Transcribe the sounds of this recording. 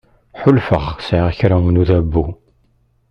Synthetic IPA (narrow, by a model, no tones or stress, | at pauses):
ħʊlfəʁsʕiʁçɾanuðæbːu